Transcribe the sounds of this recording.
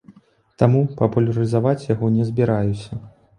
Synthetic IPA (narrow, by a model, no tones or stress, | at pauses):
t̪amupɐpulʲɐɾɨzavat͡sʲjaɣɔnʲɛzʲbʲiɾajusʲɐ